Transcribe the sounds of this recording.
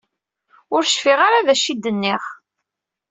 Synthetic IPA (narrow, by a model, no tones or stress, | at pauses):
ʊɾʃfiʁaɾaðæʃid̪ːənːɪχ